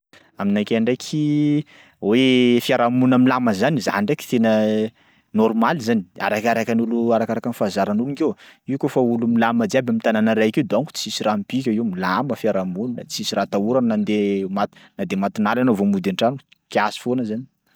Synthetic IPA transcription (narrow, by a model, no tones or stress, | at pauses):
aminakʲaɳɖ͡ʐekʰi | wefiaɾamunəmilaməzaniza̰ɳɖ͡ʐeki̥t̪enə | nɔɾmalizania̰ɾakaɾakanuluaɾakaɾakanfazaɾanuliŋkewiukofaulumilaməd̪iabamint̪ananəɾajked̪oŋku̥t͡si̥isiɾampik̬ʲaiwmilaməfjaɾamunnət͡si̥isiɾat̪auɾannand̪emat̪nad̪emat̪inalanovomud̪aɳʈ͡ʂanukiasi̥fonəzani̥